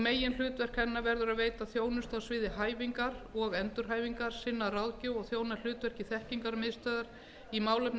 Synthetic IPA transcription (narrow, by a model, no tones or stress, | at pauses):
meːjɪnl̥ʏːt̪vɛr̥kʰɛnːavɛɾðʏɾaðvejt̪aθjoːwnʏst̪awsvɪːðɪɦaːjviŋkaɾɔɣɛnt̪ʏɾ̥ɦaːjviŋkaɾ̥sɪnːarawðcʏwɔɣθjoːwnal̥ʏːt̪vɛr̥cɪθɛhciŋkaɾmɪðst̪œːðaɾ | imaːwlʏpn